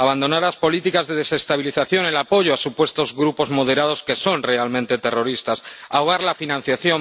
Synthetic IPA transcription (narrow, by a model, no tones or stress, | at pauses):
aβand̪o̞naɾlaspo̞lit̪ikazðe̞ð̞e̞se̞st̪aβ̞iliθaθjo̞ne̞lapo̞ʝoasupwe̞st̪o̞zɣɾupo̞zmo̞ðe̞ɾað̞o̞ske̞so̞nre̞almẽnt̪e̞t̪e̞ro̞ɾist̪asaoɣ̞aɾlafinãn̟θjaθjo̞